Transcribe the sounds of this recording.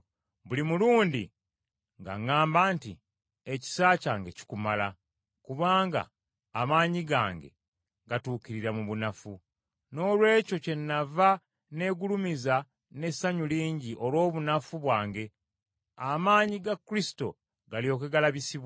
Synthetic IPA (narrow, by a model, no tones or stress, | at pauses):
bulimuluːndḭ | ŋɡa̰ŋːaːmbaːntḭ | e̞ci̥saːcaːŋɡe̞ci̥kumala | kuβaːŋɡa̰ː | maːɲiɡa̰ːŋɡe̞̰ | ɡatuːkiɾiɾamuβunafu | no̞ːlwe̞ːco̞ce̞nːava | ne̞ːɡulumiza | ne̞saɲuliːɲɟiʔo̞lwo̞ːβunafuβwaːŋɡe̞ | amaːɲiɡakːɾisi̥to̞̰ | ɡaljo̞ːkeɡalaβisiβ